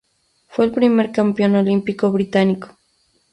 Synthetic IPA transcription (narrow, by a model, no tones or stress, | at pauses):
fwe̞ːlpɾime̞ɾkampjo̞nolimpiko̞βɾit̪aniko̥